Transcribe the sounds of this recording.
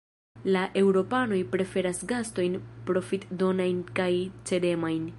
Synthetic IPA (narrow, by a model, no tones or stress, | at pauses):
laʔe̞wɾo̞pano̞jpɾe̞fe̞ɾasɡasto̞jnpɾo̞fitdo̞najnkajt͡se̞de̞majn